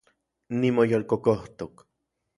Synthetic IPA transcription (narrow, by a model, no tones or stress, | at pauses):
nimojolkokoht̪ok